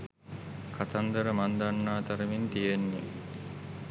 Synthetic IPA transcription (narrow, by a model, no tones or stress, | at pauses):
kʰat̪and̪əɾəmand̪anːaːt̪aɾəmint̪ijenːe